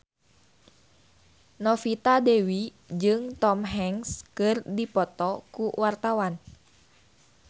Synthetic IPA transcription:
nɔfit̪adɛwi | d͡ʒɨŋt̪ɔmɦɛŋskɨrdipɔt̪ɔkuwart̪awan

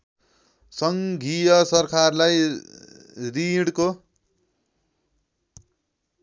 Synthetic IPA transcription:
sʌŋɡʱijʌsʌrkʰarlaj | riɽko

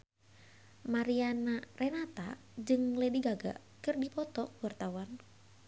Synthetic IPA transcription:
maɾianarʔɛnat̪a | d͡ʒɨŋlɛdiɡaɡa̰ | kɨrdipɔt̪ɔkwart̪awan

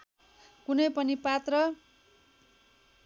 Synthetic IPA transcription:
kunʌjpʌnipat̪rʌ

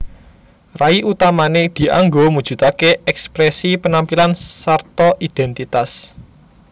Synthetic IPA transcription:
raiʔut̪amaned̪̥i̤ʔa̰ŋɡomud̥ʒ̥ṳt̪akeʔɛkspɾɛsipənampilansart̪ɔʔid̪̥ɛnt̪it̪as

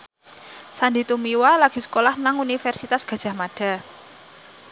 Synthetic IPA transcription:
sandit̪umiwalaɡ̥i̤sə̥kolahnaŋunifɛrsit̪asɡ̥a̤d̥ʒ̥a̤hmaɖ̥a̤

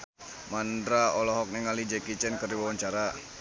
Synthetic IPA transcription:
mandɾaɔlɔɦɔk̚nɛŋalid͡ʒɛkit͡ʃɛnkərdiwawaɲt͡ʃaɾa

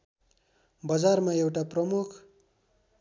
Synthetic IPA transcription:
bʌd͡zarmaewʈaprʌmukʰ

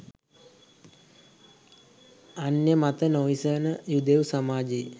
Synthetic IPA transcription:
anjəmat̪ənoisənəjud̪eusamaːd͡ʒe

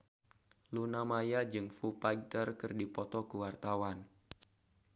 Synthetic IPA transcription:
lunamajad͡ʒɨŋfupajt̪ərkɨrdipɔt̪ɔkəwart̪awan

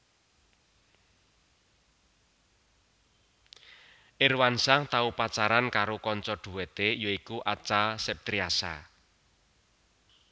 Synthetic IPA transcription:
ʔɪrwansaŋt̪aupat͡ʃaɾankaɾokɔɲt͡ʃɔɖ̪̥ṳwet̪ejoikuʔat͡ʃasɛp̚t̪ɾiasa̰

